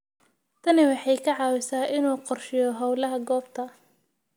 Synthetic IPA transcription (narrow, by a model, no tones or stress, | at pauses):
t̪ʰɐnɪwɑħɑjkʰɐʕɑːwɪsaːʔɪnuːqɔrʃɪjɔɦɐwlɐɦɐɡɔːbt̪ʰɐ